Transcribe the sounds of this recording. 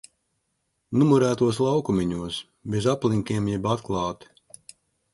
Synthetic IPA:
numuɾæːt̪uɔs̬lˠawkumʲiɲuɔs | bʲezaplˠiŋʲkʲiɛmjɛbat̪klˠɑːt̪

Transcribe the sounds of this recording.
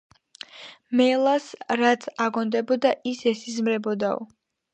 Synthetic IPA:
mɛlˠasɾat̪sʰaɡɔnd̪ɛbɔd̪aisɛsizmɾɛbɔd̪aɔ̰

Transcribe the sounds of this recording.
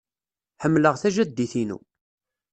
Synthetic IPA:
ħəmːləʁθæʒæd̪ːiθinṵ

